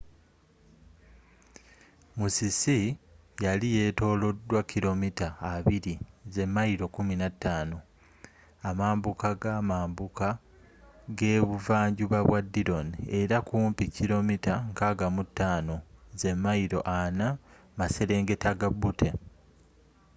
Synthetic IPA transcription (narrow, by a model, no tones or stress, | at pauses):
musisi | jalije̞to̞ːlo̞dːwakːilo̞mitaːβiɾize̞mːaiɾo̞kuminatːaːno̞ | amaːmbukaɡaːmaːmbuka | ɡe̞ːβuvaːɲɟuβaβwadːiɾo̞nie̞ɾakuːmpicːiɾo̞mitaŋkaːɡamutːaːno̞ze̞mːaiɾo̞̰ʔana | mase̞ɾe̞ːŋɡe̞taɡabutʰe̞